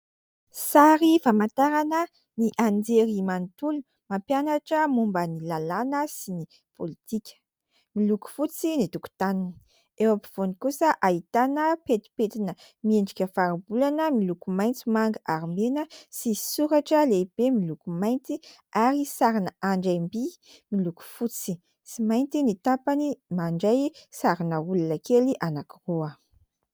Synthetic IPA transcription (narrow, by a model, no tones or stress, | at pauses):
saɾifamant̪aɾanə | niʔand͡zeɾimant̪ulu̥ | mampjanaʈ͡ʂəmumbənilalanəsini | pʰolit̪ikʲə̥ | miluku̥fut͡sinit̪uku̥t̪anini | ewapi̥v̥onikusəʔait̪anəpet̪i̥pet̪inə | mieɳɖ͡ʐikʲəfaɾibulanəmilukumajnt͡simaŋɡʔaɾimenəsisuɾaʈ͡ʂəleib̥emilukumajnt̪i | aɾisaɾinəaɳɖ͡ʐambi | miluku̥fut͡si̥ | simajnt̪init̪apanimaɳɖ͡ʐajsaɾinəulunəkeliʔanakiruə